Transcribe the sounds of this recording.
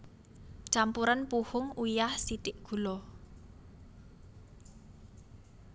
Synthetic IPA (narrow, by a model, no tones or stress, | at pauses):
t͡ʃampuɾanpuhʊŋujahsit̪ɪʔɡ̥ṳlɔ